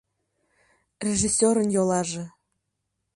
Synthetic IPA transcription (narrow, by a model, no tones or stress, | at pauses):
rʲeʒisʲːoɾə̆njolˠɑʒĕ